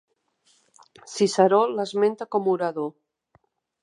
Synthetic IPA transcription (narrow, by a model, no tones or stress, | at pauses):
sisaɾɔlːazment̪akomuɾaðo